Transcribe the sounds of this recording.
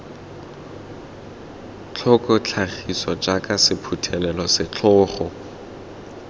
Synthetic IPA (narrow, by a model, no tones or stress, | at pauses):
t͡ɬʰɔkʼɔt͡ɬʰaχisɔd͡ʒakʼasɪpʰutʰɛlɛlɔsɪt͡ɬʰɔːχɔ